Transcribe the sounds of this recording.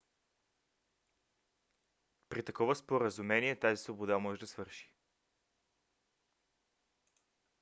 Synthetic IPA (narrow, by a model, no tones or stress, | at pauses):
pɾit̪ɐkɔvəspoɾəzumɛniɛt̪azisvobod̪amɔʒɛd̪ɐsvɤɾʃi̥